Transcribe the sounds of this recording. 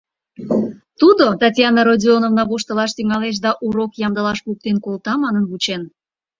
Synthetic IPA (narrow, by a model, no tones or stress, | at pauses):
t̪ud̪ot̪ɑtʲjɑnəɾodʲionovnɑβoʃt̪ə̆lɑʃt̪yŋɑleʃ̬d̪ɑʔuɾokjɑmd̪əlɑʃpuk̚t̪enkolt̪ɑmɑnənβut͡ɕen